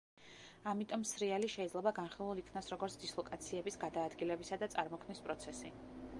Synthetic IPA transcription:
amit̪ʼɔmsɾialiʃɛid̪zlɛbaɡanχilˠulˠikʰnasɾɔɡɔɾt̪sʰd̪̥islˠɔkʼat̪sʰiɛbisɡad̪aːd̪ɡilɛbisad̪at̪sʼaɾmɔkʰmnispʼɾɔt̪sʰɛsi

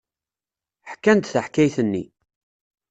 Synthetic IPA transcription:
ħkːænt̪θəħkæjθənːi

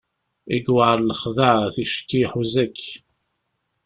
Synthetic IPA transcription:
iɡwaɾləχðəʕθiʃtːiħuzækː

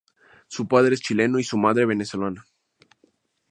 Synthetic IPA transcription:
supað̞ɾe̞est͡ʃile̞noisumaðɾe̞β̞e̞neso̞lana

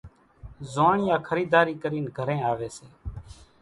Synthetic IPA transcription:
zaːɳjãːkʰəɾiːd̪aːɾiːkəɾiːnɡʱəɾẽːaːʋeːseː

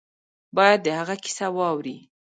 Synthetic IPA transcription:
bɑjad̪ːəhaɣaki̥sawɑwɾi

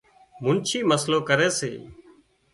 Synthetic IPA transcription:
mʊnt͡ʃʰiːməsloːkəɾeːsḛː

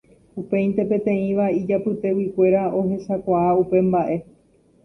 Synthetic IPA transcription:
upẽ̞j̃nt̪e̞pẽ̞t̪ẽ̞ĩʋaid͡ʒapɨt̪e̞wikʷe̞ɾao̞ɦe̞sakʷaaupe̞mbaʔe̞

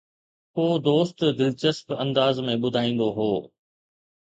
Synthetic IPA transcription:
koːd̪oːst̪d̪ɪlt͡ɕəspɐ̃nd̪aːzmẽɓʊd̪ʱaːĩːnd̪oɦoː

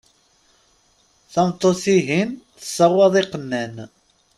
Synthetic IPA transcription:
θɑmt̪ˤːosiɦinθə̥sːɑʁwɑðˤiqənːæn

